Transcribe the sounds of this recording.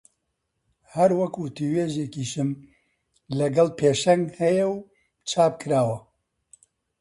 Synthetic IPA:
hɐɾwɐkwʊt̪iweːʒeːkiʃɨm | lɐɡɐlpʰeːʃɛŋɡhɛjɛw | t͡ʃʰaːp̚kʰɨɾaːwɐ

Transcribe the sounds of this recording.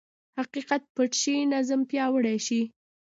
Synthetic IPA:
haqiqat̪̚pəʈʃinazəmpjɑwəɽaʃi

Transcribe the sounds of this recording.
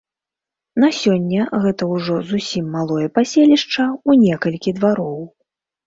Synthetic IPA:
nasʲɔnʲːɐɣɛt̪ɐuwʐɔzusʲimːalˠɔjɛpasʲelʲiʂt͡ʂɐunʲɛkɐlʲkʲid̪vaɾɔw

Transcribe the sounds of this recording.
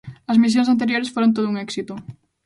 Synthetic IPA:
ɐzmis̬jõŋs̬ant̪eɾjoɾesfoɾont̪oðuuŋɛksit̪o

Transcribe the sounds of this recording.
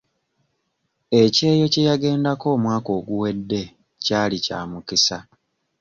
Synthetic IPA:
e̞ce̞ːjo̞cejaɡe̞ːndako̞ːmwaːko̞ːɡuwe̞dːe̞ | caːlica̰ːmukisa

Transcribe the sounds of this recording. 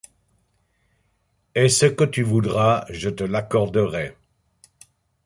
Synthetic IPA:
ɛsəkət̪yvud̪ʁaʒət̪əlakɔʁd̪əʁɛ

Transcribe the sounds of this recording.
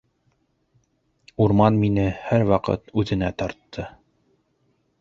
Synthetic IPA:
uɾmɑnminɘhæɾwɑqɤ̰t̪ʉðɘ̆næt̪ɑɾt̪ʰːɤ

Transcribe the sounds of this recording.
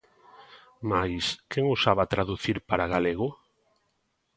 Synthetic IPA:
majskeŋosaβat̪ɾaðuθiɾpaɾaɣaleɣʊ

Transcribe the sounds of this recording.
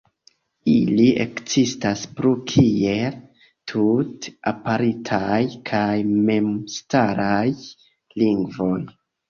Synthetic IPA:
iliʔḛkzistaspɾukʰie̞l | tʰuta̰paɾitʰajkʰajme̞mstaɾaj | liŋɡvo̞j

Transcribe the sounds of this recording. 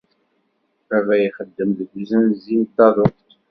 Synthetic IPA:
ævæjiχəd̪ːəmðɡizənzint̪ːɑðˤəqt̪

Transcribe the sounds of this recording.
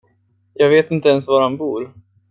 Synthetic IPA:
jɑːɡveːt̪ɪnt̪əɛnsvaɾhanbuːɾ

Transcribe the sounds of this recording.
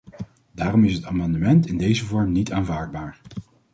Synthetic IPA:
daːrɔmɪsɦətaːmɑndəmɛntɪndejzəvɔɹmnitaːnvaːɹd̚baːɹ

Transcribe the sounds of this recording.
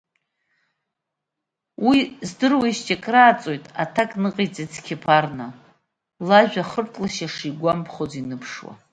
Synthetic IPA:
wizdɨrwaiʃtʰʼekʼraːt͡sʼojtʼa̰tʰakʼnɨqʼijt͡sʼit͡sʰkʲʰɪpʰarna | laʒᶣaχərtʼlaʃaʂiɡʷampʰχozinɨpʰʂwa̰

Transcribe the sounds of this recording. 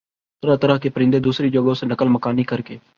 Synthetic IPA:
t̪əɾət̪əɾəɦkepəɾɪ̃nd̪eːd̪uːsɾiːd͡ʒoːɡõsenəkəlməkaːniːkəɾkeː

